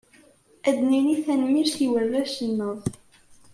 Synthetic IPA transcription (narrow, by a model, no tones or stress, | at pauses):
æd̪niniθænmiɾθiwərːæʃənːəðˤ